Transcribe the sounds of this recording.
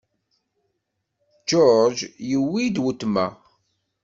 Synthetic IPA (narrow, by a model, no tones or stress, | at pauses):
d͡ʒɔɾd͡ʒjəwːid̪wət̪ːmæ